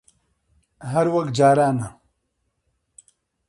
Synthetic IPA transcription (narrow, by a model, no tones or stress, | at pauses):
ɦɐɾwɐkt̚d͡ʒaːɾaːna